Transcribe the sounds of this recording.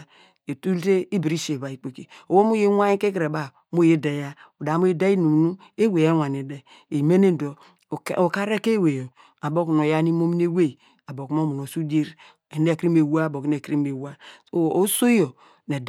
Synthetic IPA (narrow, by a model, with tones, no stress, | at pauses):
e˨tu˦lte˦i˦bi˨ɾi˦ʃe˨ba˨i˨k͡pe˨ke˨o˨wo˦mu˦je˦a˦i˦ke˦kɾe˨ba˨ | mo˦je˦de˨ja˦ | o˨da˨˦mo˦i˦de˦i˦nu˨nu˦ | e˦we˨je˦wa˨ni˨de˦ | e˨me˦ne˦˨do̰˨ | o˨ka˦ɾe˦ke˦we˨jo˨ | a˨bo˦ku˨n˨o˨ja˦ni˦mo˦mi˦ne˦we˦˨ | a˨bo˨ku˨˦mo˦mu˨no˨su˦di˦ɾ | e˨ne˦˨kɾi˦me˨wu˦a˦˨bo˨kn˦e˨kɾi˦me˨wa˦˨o˦so˦jo˨ | ne˨d